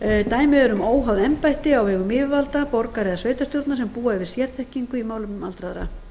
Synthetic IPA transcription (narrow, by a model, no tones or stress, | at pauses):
t̪aːjmɪɛɾʏmoːwɦaðɛmpajht̪ɪawɛːɣʏmɪːvvalt̪apɔɾkaɾɛðasveːjt̪ast̪jowɾt̪nasɛmpuːaɛvɪɾ̥sjɛɾ̥t̪ʰɛhciŋkʏimaːwlʏma̰lt̪ɾaðɾa̰